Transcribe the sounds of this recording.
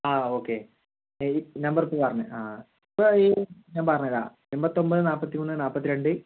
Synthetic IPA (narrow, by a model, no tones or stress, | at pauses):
aːoːkːe | nɐmbɐripːopɐrɐɲːɨ̰aː | ipːoiɲaːnpɐrɐɲːɐla̰ː | embɐt̪ːo̞mbɐðɨnaːpːɐt̪ːimunːɨnaːpːɐt̪ːiɾe̞ɳɖɨ